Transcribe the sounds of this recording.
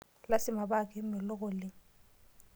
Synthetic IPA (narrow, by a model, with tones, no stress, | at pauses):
la˦sɪ˦ma˨ba˦k̬ʼɪ˦mɪ˨lʊ˦ɣ̬ʊ˨lɪ˦